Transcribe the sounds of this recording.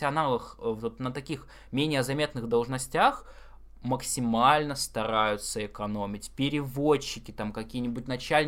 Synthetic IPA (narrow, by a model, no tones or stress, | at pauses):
ɪɐnalˠəxvot̪nət̪ɐkʲix | mʲenʲɪjəzɐmʲe̞t̪nɨxd̪ɐlˠʐnɐsʲtʲax | məksʲɪmalʲnəst̪ɐɾajʊt̪səɪkɐnomʲɪtʲpʲɪɾʲɪvoɕːɪkʲɪt̪amkɐkʲijənʲɪbʊt̚ʲnɐt͡ɕælʲnʲ